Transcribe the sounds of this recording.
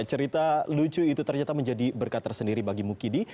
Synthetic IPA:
t͡ʃəɾit̪alut͡ʃuit̪ut̪ərɲat̪aməɲd͡ʒadibərkat̪ərsəndiɾibaɡimukidi

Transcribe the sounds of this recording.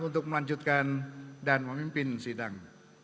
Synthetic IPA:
unt̪ʊk̚məlaɲd͡ʒut̪̚kandanpəmimpɪnsidaŋ

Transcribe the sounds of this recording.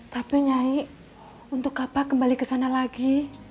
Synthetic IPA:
t̪apiɲai | unt̪ʊkːapakəmbalikəsanalaɡi

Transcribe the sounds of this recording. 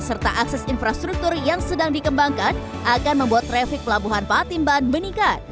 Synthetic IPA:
sərt̪aʔaksɛsinfɾast̪ɾuk̚t̪ʊrjaŋsədaŋdikəmbaŋkan | ʔakanməmbuat̪ːɾefɪk̚pəlabuɦanpat̪imbanbənikat̪̚

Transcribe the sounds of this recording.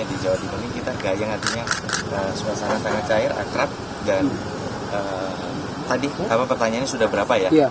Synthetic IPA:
adid͡ʒawadikunikit̪aɡajaŋart̪iɲaəsuasanasaŋat̪̚t͡ʃaɪra̰kɾat̪̚ | dan | ə | t̪adiapapərt̪aɲaɲasudahbəɾapaja

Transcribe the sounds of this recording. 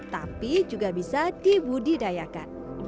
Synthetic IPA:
t̪a̰pid͡ʒuɡabisadibudidajaka̰n

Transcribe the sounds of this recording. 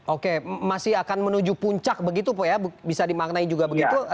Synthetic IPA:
ʔokemasɪɦakanmənud͡ʒupuɲt͡ʃak̚bəɡit̪̬upojabbisadimak̚naid͡ʒuɡabəɡit̪u

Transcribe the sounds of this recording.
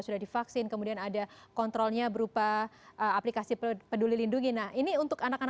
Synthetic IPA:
sudahdifaksɪnkəmudianadakɔnt̪ɾɔlɲabəɾupaʔəaplikasipədulilinduŋɪnahiniunt̪ʊkanakan

